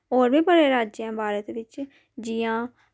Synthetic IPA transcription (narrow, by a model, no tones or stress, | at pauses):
oːɾbiːbəɽeːɾaːd͡ʒãːbaːɾət̪ʋɪt͡ʃ | d͡ʒɪjãː